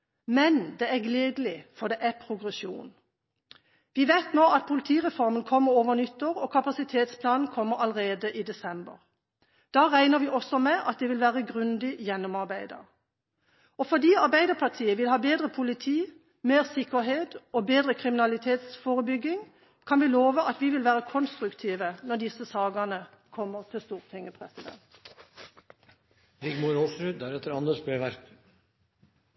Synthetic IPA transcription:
mɛnd̪ɛæɡleːd̪əlɪfɔʁd̪ɛʔæpʰʁʊɡʁɛsjṵːn | ʋɪʋæɪt̪noːʔɑt̪̚pʰʊlɪt̪ʰiːʁɛfɔʁmənkʰɔmːəɾoːʋəʁnʏt̪ːoːʁɔːkʰɑpɑsɪt̪ʰeːt̪spʰlɑːnn̩kʰɔmːəʁɑlʁeːd̪əʔiːd̪ɛsɛmbə̰ʁ | d̪̥ɑːʁæɪnəʋɪʔɔsɔmɛʔɑt̪̚d̪ɛʋɪlʋæːʁəɡʁʉnd̪ɪjɛnːɔmɑʁbæɪd̪ə̰ʁ | ɔfɔʁd̪iːɑʁbæɪd̪əʁpʰɑʁt̪ʰiːəʋɪlhɑːbeːd̪ʁəpʰʊlɪt̪ʰiː | meːʁsɪkːəʁɦeːt̪obeːd̪ʁəkʰʁɪmɪnɑlɪt̪ʰeːt̪sfoːʁəbʏɡɪŋ | kʰɑnʋɪloːʋəʔɑt̪ʋɪʋɪlʋæːʁəkʰɔnst̪ʁʉkt̪ʰiːʋənɔd̪ɪsəsɑːɡənə | kʰɔmːəʁt̪ʰɪst̪uːʁt̪ʰɛŋəpʰʁɛsɪd̪ɛ̰nt̪ | ɾɪɡmʊɾɔsɾʉːd̪æɾɛt̪ːəɾɑnd̪əʂb̪ɛʋæɾk

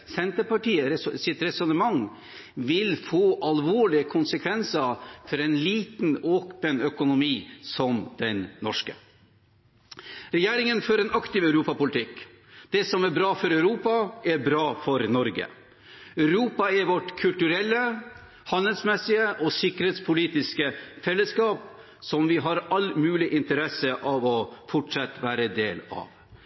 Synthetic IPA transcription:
sɛnt̪əɾpɑʈiːəɾsɪt̪ɾɛsʊnəmɑŋ | ʋɪlfoːʔɑlʋoːɭɪəkʰʊnsəkʰʋɛnsəfɔɾɛnliːt̪noːpənœkʊnʊmiːsɔmd̪̥ɛnnɔ̰ʂkə̰ | ɾɛjeːɾɪŋənfɔɾɛnɑkt̪ɪʋɑʉɾuːpɑpʊlɪt̪ʰɪk | d̪̥ɛsɔmæɾbɾɑːfɔɾœʉɾuːpɑɛɾbɾɑːfɔɾnɔɾɡə̰ | œʉɾuːpɑɛɾʋɔʈkʰʉlt̪ʉɾɛlːə | hɑnəlsmɛsɪəʔɔsɪkəɾheːt̪spʰʊliːt̪ɪskəfɛlːəskɑːp̚ | sɔmʋɪɦɑɾɑlmʉːlɪʔɪnt̪əɾɛsəʔɑʋɔfɔʈʂɑt̪ːʋæːɾəd̪eːlɑ̰ʋ

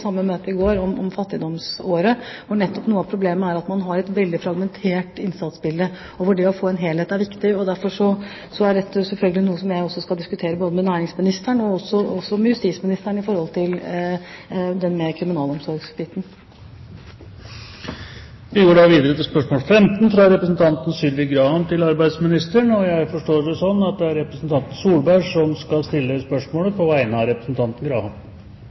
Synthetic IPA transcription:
sɑmːəmøːt̪əɪɡoːɾɔmɔ̰mfɑt̪ːɪd̪ɔmsoːɾəʋʊɳɛt̪ːɔpnuːəɑːpʰɾʊbleːməæɾɑt̪mɑnɦɑɾɛt̪ʋɛld̪ɪfɾɑɡmɛnt̪ʰeːʈɪnsɑt̪sbɪld̪ə | oːʋəɖɛɔfoːɛnɦeːlheːt̪æɾʋɪkt̪ɪɔd̪æɾfɔʂɔ | sɔæɖɛt̪ːəsɛlfœlɡəlɪnuːəsɔmjæɪɔsːɔskɑld̪ɪskʉt̪ʰeːɾəboːd̪əmɛnæːɾɪŋsmɪnɪst̪æɳɔɔsːɔɔsːɔmɛjʉst̪iːsmɪnɪst̪æɳɪfɔɾhɔlt̪ʰɪl | d̪ɛnmɛkʰɾɪmɪnɑːlɔmsɔɾɡsbɪt̪n̩ | ʋɪɡoːɖɑʋiːd̪əɾət̪ʰɪlspœʂmoːlfɛmt̪n̩fɾɑɾɛpɾəsn̩t̪ʰɑnt̪n̩sʏlʋɪkɡɾɑːhɑnt̪ʰɪlɑɾbæɪd̪smɪnɪst̪əɳɔjæɪfɔʂʈoːɖɛsɔnːɑt̪̚d̪ɛæɾɛpɾəsn̩t̪ʰɑnt̪n̩suːlbæɪʂɔmskɑlst̪ɪlːəspœʂmoːləpʰɔʋæɪənəɑɾɛpɾəsn̩t̪ʰɑnt̪ən̩ɡɾɑ̰ːhɑn

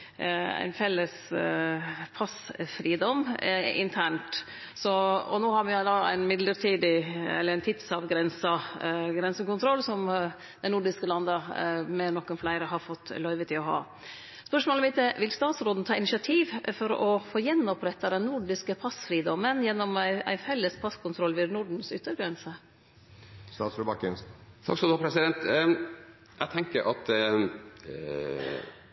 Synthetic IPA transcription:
æ̰ɪnfɛlːəs | pʰɑsfɾiːd̪ɔmɪ̰nt̪ʰæɳʈ | sɔɔ̰noːhɑɾʋɪd̪ɑːæ̰ɪnmɪd̪ləʈʰiːd̪ɪɛ̰lːəɾæɪnt̪ʰɪt̪sɑʋɡɾɛnsɑɡɾɛnsəkʊnt̪ʰɾɔlsɔm | d̪ɛnʊɖɪskəlɑnd̪əmɛnɔkːənflæɪɾəɦɑɾfɔt̪ːlœʏʋət̪ʰɪlɔɦɑ̰ː | spœʂmoːləmɪt̪əʋɪlst̪ɑːt̪sɾoːd̪n̩t̪ʰɑːɪnɪʂɪɑt̪ʰiːʋfɔɾɔfoːjɛnːɔpɾɛt̪ːɑd̪ɛnnʊɖɪskəpʰɑsfɾiːd̪ɔmənjɛnːɔmæ̰ɪfɛlːəspʰɑskʰʊnt̪ʰɾɔlːʋɪɾnʊɖɳ̩sʏt̪ːəɾɡɾɛnsə | st̪ɑːt̪sɾʊbɑkənst̪ʰɑ̰ksɔmd̪ɑːpʰɾɛsɪd̪ɛnt̪ | jæt̪ʰɛŋkəɾʔɑt̪

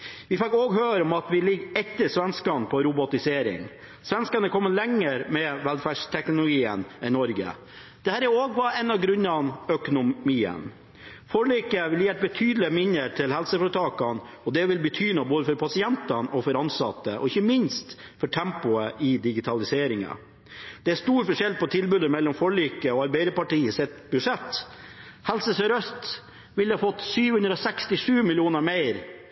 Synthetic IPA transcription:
ʋɪfɪkːoːɡɦøːɾɔmɑt̪ʋɪlɪɡːɛt̪ːəʂʋɛnskɑnpʰɔɾʊbʊt̪ɪseːɾɪ̰ŋ | sʋɛnskɑnəkʰɔmːəlɛŋːəɾmɛʋɛlfæʂt̪ʰɛknʊlʊɡiːənænɔɾɡə̰ | d̪̥ɛhæːɾæoːɡʋɑɛnːɑɡɾʉnːɑnœkʊnʊmiːə̰n | foːɭiːkəʋɪljeːʈ̚bət̪ʰyːd̪əlɪəmɪnːəʈʰɪlhɛlsəfɔʈʰɑːkɑn | ɔd̪ɛʋɪlbət̪ʰyːnɑboːd̪əfɔɾpʰɑsɪɛnt̪ɑnɔfɔɾɑnsɑt̪ːəʔɔ̰ɪçəmɪnst̪fɔʈʰɛmpʊəʔɪd̪ɪɡɪt̪ʰɑlɪseːɾɪŋɑ̰ | d̪̥ɛæɾst̪uːɾfɔʂɛlpɔt̪ʰɪlbʉd̪əmɛlːɔmfɔɭiːkəɔɑɾbæɪd̪əpɑʈiːəsɛt̪bʉʂɛt̪ː | hɛlsəsœɾœst̪ | ʋɪlːhɑːfɔt̪ːsyːʋhʉnd̪ɾɔsɛkst̪ɪʂʉːmɪlɪuːnəɾmeɪɾ

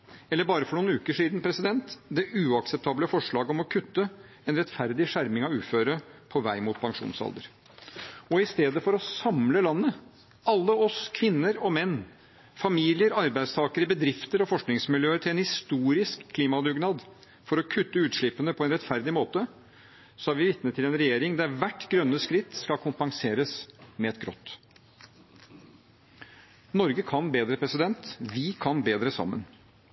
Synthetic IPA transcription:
ɛlːəɾbɑːɾəfɔɳuːnʉːkəʂiːd̪npʰɾɛsɪd̪ɛnt̪d̪ɛʔʉːɑksɛp̚t̪ʰɑːbləfɔʂɭɑːɡɔmɔkʰʉt̪ːə | ɛnɾɛt̪fæɾd̪ɪʂæɾmɪŋɑʋʉːføːɾəpʰɔʋæɪmuːt̪̚pʰɑŋʂṵːnsɑ̰ld̪əɾ | ɔɪst̪eːd̪əfɔɾɔsɑmləlɑnːə | ɑlːəɔskʰʋɪnːəɾɔmɛnː | fɑmiːlɪəɾɑɾbæɪd̪st̪ʰɑːkəɾəbəd̪ɾɪft̪əɾɔfɔʂknɪŋsmɪljøːəʈʰɪlɛnhɪst̪uːɾɪskʰːliːmɑd̪ʉːɡnɑːd̪ | fɔɾɔkʰʉt̪ːəʉːt̪ʂɭɪpːənəpʰɔɛnɾɛt̪fæɾd̪ɪmoːt̪ə | sɔɑɾʋɪʋɪt̪nət̪ʰːɪlɛnɾɛjeːɾɪŋd̪æɾʋæʈːɡɾœnːəskɾɪt̪ːskɑkʰʊmpɑŋseːɾəsmɛɛt̪̚ɡɾɔ̰t̪ː | nɔɾɡəkʰɑnbeːd̪ɾəpʰɾɛsɪd̪ɛnt̪ʋɪkʰɑnbeːd̪ɾəsɑ̰mːə̰n

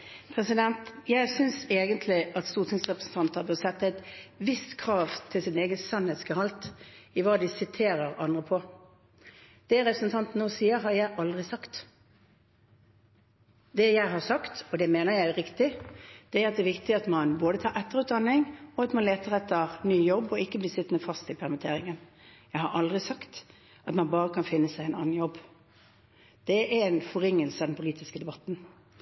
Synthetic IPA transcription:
pʰɾɛsɪd̪ɛnt̪jæɪsʏnseːɡənt̪ʰlɪʔɑt̪st̪uːʁt̪ʰɪŋsʁɛpʁəsn̩t̪ʰɑnt̪ɑbəsɛt̪ːəæɪt̪ʋɪst̪kʰɾɑːʋt̪ʰɪlsɪneːɡənsɑnheːt̪skəhɑlt̪ɪʋɑːd̪ɪsɪt̪ʰeːɾəɾɑ̰nd̪ʁəpʰɔ | d̪̥ɛʁɛpɾəsn̩t̪ʰɑnt̪n̩nːoːsiːəɾɦɑɾjæɪʔɑld̪ʁɪsɑkt̪ | d̪ɛjæɪɦɑsɑkt̪ɔd̪ɛmeːnəɾjæɪɾɪkt̪ɪd̪̥ɛæɾɑt̪̚d̪ɛʋɪkt̪ɪɑt̪mɑnboːd̪ət̪ʰɑːɾɛt̪ːəɾʁʉːt̪̚d̪ɑnːɪŋɔɑt̪mɑnleːt̪əʁɛt̪ʰːəʁnyːjɔbːɔɪkːəblɪːsɪt̪ːnəfɑst̪ɪpʰæʁmɪt̪ʰeːɾɪŋən | jæɪhɑɾʔɑld̪ʁɪsɑkt̪ | ɑt̪mɑnbɑːʁəkʰɑnfɪnːəsæɪɛnɑ̰nːn̩jɔbː | d̪̥ɛɛɾɛnfɔɾɪŋːəlsəɑd̪ɛnpʰʊliːt̪ɪskəd̪ɛbɑt̪n̩

